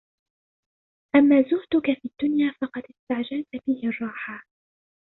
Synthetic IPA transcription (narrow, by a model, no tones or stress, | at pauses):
ʔamːaːzʊhd̪ʊkafiːd̪ːʊnjaːfɑqɑd̪ɪst̪aʕd͡ʒalt̪abɪhɪrˤːɑːħaː